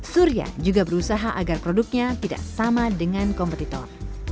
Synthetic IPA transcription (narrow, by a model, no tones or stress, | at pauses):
suɾia̰d͡ʒuɡabəɾusaɦaʔaɡarpɾoduk̚ɲat̪ida̰ʔsamadəŋankɔmpət̪it̪ɔ̰r